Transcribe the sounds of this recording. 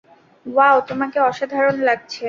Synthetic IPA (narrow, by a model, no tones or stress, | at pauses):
wawt̪omakeɔʃad̪ʱaɾonlaɡ̚t͡ɕʰe